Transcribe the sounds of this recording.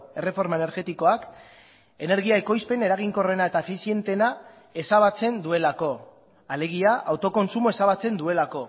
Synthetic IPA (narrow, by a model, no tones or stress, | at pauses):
e̞re̞fo̞ɾmaene̞ɾɣe̞t̪iko̞ak | e̞ne̞ɾɣiaeko̞jspe̞ne̞ɾaɣiŋko̞re̞nae̞t̪aefisie̞nt̪e̞na | e̞saβ̞at͡se̞nd̪ue̞lako̞ | ale̞ɣ̞iaʔawt̪o̞ko̞nsumo̞e̞saβ̞at͡se̞nd̪ue̞lako̞